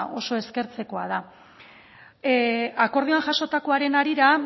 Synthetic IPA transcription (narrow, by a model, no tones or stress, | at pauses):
o̞so̞e̞ske̞ɾt͡se̞ko̞a̰ða | ako̞ɾð̞ianʝaso̞t̪ako̞aɾe̞naɾiɾa